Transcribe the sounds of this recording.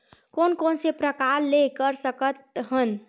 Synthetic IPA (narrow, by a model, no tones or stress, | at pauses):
konkonsepɾəkaɾlekəɾsəkət̪̚ɦən